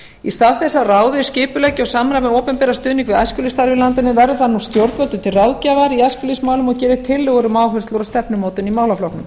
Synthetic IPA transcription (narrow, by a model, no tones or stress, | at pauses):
ist̪aːðθɛsːaraːwðʏ̥scɪːpʏlɛcɪawsaːmɾajmɛoːwpɛmpɛːɾast̪ʏːðniŋkvɪðajscʏlist̪aɾvɪlant̪ɪnɪvɛɾðʏθanust̪jowɾt̪vœlt̪ʏmt̪ʰɪlrawðcavaɾiascʏlismaːwlʏmɔcɛːɾɪt̪ʰɪlːɛɣʏɾʏmaːwɦœ̥st̪ʊɾɔst̪ɛpnʏmoːwt̪ɪnimaːwlaflɔhknʏm